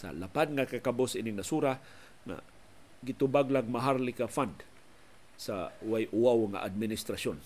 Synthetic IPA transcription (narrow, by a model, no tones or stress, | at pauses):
sa̰lapad̪̚ŋakakabosinɪŋnasuɾa | ŋa̰ | ɡɪt̪ʊbaɡlaɡmaɦaɾlɪkafand̪ | sawajʔʊwawŋa̰ʔad̪̚mɪnɪst̪ɾason